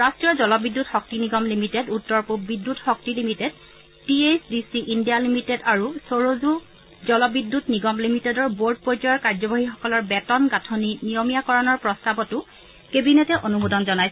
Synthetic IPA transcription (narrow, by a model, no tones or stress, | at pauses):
ɹastɹijɔzɔlɔbidːutxɔk̚tiniɡɔmlimitedutːɔɹpubidːutxɔk̚tilimited | tiesdisiʔindijalimitedaɹusoɹozu | zɔlɔbidːutniɡɔmlimitedɔɹboɹd̚pojtɔjɔɹkaɹzɔbaɦixɔ̥kɔlɔɹbɛtɔnɡatʰoninijomijakɔɹanɔɹpɹɔstabɔtʊ | kebinɛtɛʔonumudɔnzɔnajs